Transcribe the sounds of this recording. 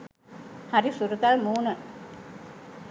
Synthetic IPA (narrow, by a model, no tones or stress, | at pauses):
haɾisuɾuk̪almuːnə